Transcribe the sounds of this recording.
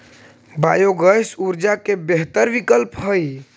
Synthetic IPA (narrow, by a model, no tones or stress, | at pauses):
bajoɡəjsuɾd͡ʒakebeɦt̪əɾʋikəlpɦəj